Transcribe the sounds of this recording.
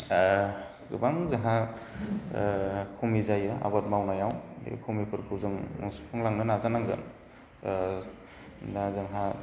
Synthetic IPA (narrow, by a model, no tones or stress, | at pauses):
ɡɯ̰baŋzaɦa | kʰumizajɯa̰bat̚mawnajawḛkʰumipʰɯɾkʰɯwzɯŋspʰɯŋlaŋnɯnazanaŋzɯ̰n | zaazɯŋɦa